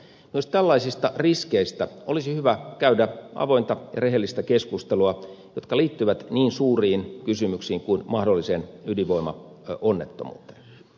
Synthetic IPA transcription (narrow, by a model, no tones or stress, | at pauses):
myost̪ælːɑisist̪ɑriskeist̪æolisihyʋækæydæɑ̰ʋoint̪ɑjɑ̰reɦelːist̪ækeskust̪eluɑ | jot̪kɑliːt̪ːyʋæt̪niːnsuːriːnkysymyksiːŋkuinmɑhdolːisenyliʋoimɑ̰onːet̪ːo̰mṵːt̪e̥ːn